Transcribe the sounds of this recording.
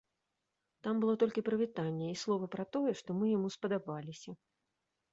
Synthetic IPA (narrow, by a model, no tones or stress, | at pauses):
t̪ambɨlˠɔt̪ɔlʲkʲipɾɐvʲit̪anʲːɛislˠɔvɐpɾɐt̪ɔjɛʂt̪ɔmɨjamuspɐd̪abalʲisʲɐ